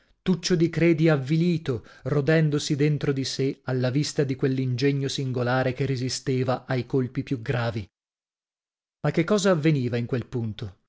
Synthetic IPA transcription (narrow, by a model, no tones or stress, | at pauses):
t̪ut͡ʃːod̪ikɾɛːd̪iavːiliːt̪orod̪ɛnd̪osid̪ent̪ɾod̪isealːavist̪ad̪ikwelːind͡ʒeɲːosiŋɡolaːɾekerːezist̪eːvaʔajkolpipjuɡɾaːvi | makːekːɔːzaːvːeniːvaiŋkwelpunt̪o